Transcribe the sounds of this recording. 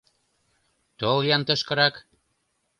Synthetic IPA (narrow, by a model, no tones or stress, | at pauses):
t̪oljɑnt̪ɤ̆ʃkɤ̆ɾɑk